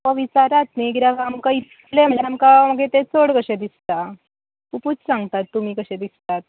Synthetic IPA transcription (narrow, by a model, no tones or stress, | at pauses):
ʋəʋit͡saɾat̪niɡiɾakamkait̪ | leməlaɾamkaməɡet̪et͡soɽkəɕed̪ist̪a | kuput͡ssãŋɡt̪at̪ːum̤iːkəɕẽd̪ist̪at̪̚